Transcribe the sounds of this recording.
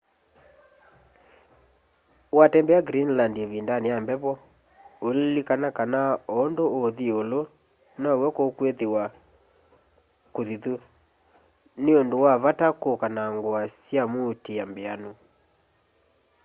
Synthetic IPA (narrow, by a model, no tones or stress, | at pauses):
watɛmbɛaɡɾinlandevindaneambɛβɔ | ollikanakanaoːndooðiolo | nawɛkokweðewa | koðiðu | neondowaβatakokanaŋɡwasjamotejambeano